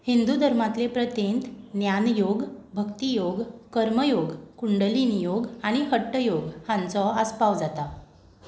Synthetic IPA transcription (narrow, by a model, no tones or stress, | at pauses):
hind̪ud̪ʱəɾmat̪lepɾət̪ent̪njanjoɡbʱəkt̪ijoɡkəɾməjoɡkuɳɖəlinijoɡaɽ̃iɦəʈːəjoɡhãnt͡sɔəspaʋd͡zat̪a